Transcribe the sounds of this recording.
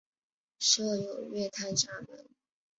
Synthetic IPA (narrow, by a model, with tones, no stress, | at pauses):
ʂɤ˥˧jo˨˩ʊɥɛ˥˧t̪ʰa˥˧nʈ͡ʂa˥˩mə̰˧˥n